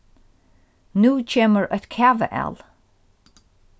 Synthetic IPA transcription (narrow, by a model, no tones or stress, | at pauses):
nuːt͡ʃʰeːməɹʔət̪kʰavə̰ʔɛ̰l